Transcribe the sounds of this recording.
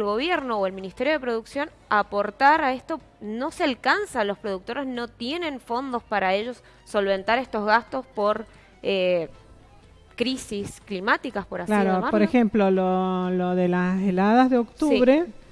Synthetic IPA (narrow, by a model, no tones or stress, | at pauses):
lɣo̞β̞je̞ɾno̞oe̞lmĩnist̪e̞ɾjo̞ð̞e̞pɾo̞ð̞uksjo̞n | apo̞ɾt̪aɾaest̪o̞ | no̞sealkansalo̞spɾo̞ðuk̚t̪o̞ɾezno̞t̪je̞nẽ̞ɱfo̞nd̪ospaɾae̞ʒo̞sː | o̞lβ̞e̞nt̪aɾest̪ozɣast̪o̞spo̞ɾ | e | kɾisisklimat̪ikaspoɾaslaɾɾomaɾpoɾexemplololoðelaselaðazðeo̞kt̪ːuβɾe